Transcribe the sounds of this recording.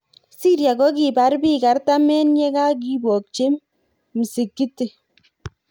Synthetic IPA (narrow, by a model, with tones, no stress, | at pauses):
si˦ɾja˨ɡɔ˦k̬i˨ba˨˦ɾbi˦˨ka˨ɾta˦mɛ˦n˦ɲɛ˦ka˦k̬i˦bɔ˨k̚t͡ʃe˦m | m̩˨se˨kːi˦te˨